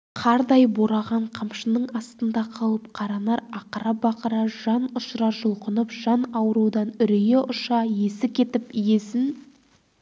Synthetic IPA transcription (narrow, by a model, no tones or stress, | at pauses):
qʰɑɾd̪ɑjboɾɑʁɑɴqʰəmʃənəɴɑst̪ənd̪ɑqʰɑlˠəp̚qʰɑɾɑnɑɾɑqəɾɑbɑqəɾɑʒɑnʊʃɾɑɾʒʊlˠqənəpʒ̥ɑnɑwəɾud̪ɑnʏɾijeʔʊʃɑje̞sɪkʲʰe̞t̪ɪpje̞sɪn